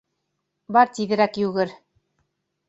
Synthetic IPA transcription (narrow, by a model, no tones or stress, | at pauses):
bɑɾt̪iðɘ̆ɾækjʉɣɘɾ